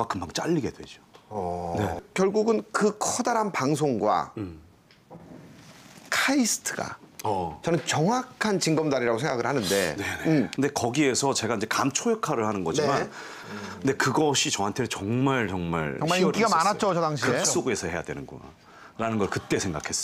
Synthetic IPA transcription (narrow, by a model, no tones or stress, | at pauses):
makɯmbaŋt͡ɕ͈aʎːiɡe̞dwe̞̰d͡ʑone̞kjʌɭɡuɡɯnkɯkʰʌdaɾanpaŋs̬ʰoŋɡwa̰ | kʰaisʰɯ̥tʰɯɡa̰ʌt͡ɕʌnɯnt͡ɕʌŋwakʰant͡ɕiŋɡʌmdaɾiɾaɡosʰe̞ŋɡaɡɯɭhanɯnde̞̰nenekɯnde̞kʌɡie̞sʰʌt͡ɕe̞ɡaind͡ʑe̞kamt͡ɕʰojekʰaɾɯɭhanɯnɡʌiman | nde̞kɯɡʌɕʰit͡ɕʌɦantʰet͡ɕʌŋmaɭt͡ɕʌŋma̰ɭiʌɾiɡamanat̚t͡ɕ͈ot͡ɕʌdaŋɕʰkiɯs͈oɡe̞sʰʌhe̞ja̰dwe̞nɯnɡṵna̰ | ɾanɯnɡʌɭkɯt͈e̞sʰe̞ŋɡakʰe̞s͈ʌ̥